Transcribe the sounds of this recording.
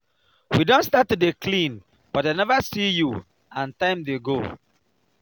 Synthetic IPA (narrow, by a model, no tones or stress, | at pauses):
widõntstatːudekʰlĩn | b̥ɔt̚ðenɛvəsiju | ãntãɪ̃mdeɡo